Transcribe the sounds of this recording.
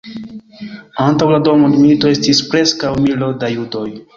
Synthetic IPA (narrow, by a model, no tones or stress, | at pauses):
antawlado̞modmilito̞e̞stispɾe̞skawmilodajudo̞j